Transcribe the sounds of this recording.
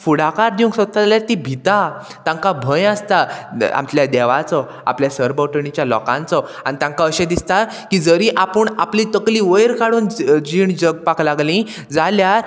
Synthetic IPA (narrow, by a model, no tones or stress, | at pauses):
fuɽakaɾd̪iũŋksət̪ːaaljaɾt̪ibʱit̪a | t̪ãŋkabʱə̃jast̪aa̰mt͡ɕljad̪ɛʋat͡sɔ | a̰pljasəɾbəʈəɳit͡ɕjalɔ̰kã̰nt͡sɔa̰ñit̪ãŋkaəɕed̪ist̪a | kiːd͡zəɾiʔapəɳaplit̪əkliʋəjɾkaɽuːnd͡ʑiɳd͡ʑəɡ̚paklaɡlĩ | d͡zaljaɾ